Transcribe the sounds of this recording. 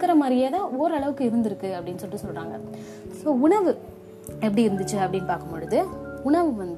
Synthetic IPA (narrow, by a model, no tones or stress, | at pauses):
kːɐɾɐmaːd̪ɾɪjaːt̪ãːoːɾɯɐɭɐʋɯkːɯɪɾɯnd̪ɪɾɯkːɯɐpːɐɽɪnːɯsɔːɯsɔlɾaːŋɡɐ̰ | soːʊɳɐʋɯ | ɛpːɐɽiɪɾɯnd̪ɯt͡ʃːɯɐpːɐɽɪnːpaːɾkɐmpɔɻɯðɯʊɳɐʋɯʋɐnd̪